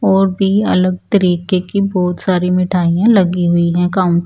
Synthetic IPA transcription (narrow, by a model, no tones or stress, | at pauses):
ɔːɾbʱiɐ̰ləɡ̚t̪ɐɾiːkekibɔːt̪saːɾimɪʈʰaːijãlɐɡiɦʊiɦɛ̃kaːʊ̃ɳʈ